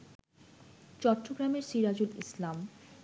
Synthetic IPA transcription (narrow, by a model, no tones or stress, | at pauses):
t͡ɕɔʈːoɡɾameɾʃiɾad͡ʑulḭslam